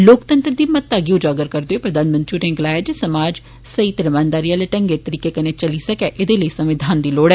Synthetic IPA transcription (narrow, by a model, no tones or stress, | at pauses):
loːkt̪ə̃nt̪ɾd̪iːmət̪ːaːɡiːʊd͡ʒaːɡəɾkəɾd̪eoeːpɾəd̪aːnmə̃nt̪ɾiɾẽŋɡlaːɪd͡ʒesəmaːd͡ʒ | səiːt̪ɾəmaːnd̪aːɾijaːleʈəŋɡeːt̪əɾiːkeːkəneːt͡ʃəliːsəkɛːʔɪd̪eːləiːsə̃mʋɪd̪ʱaːnd̪iːloːɽɛː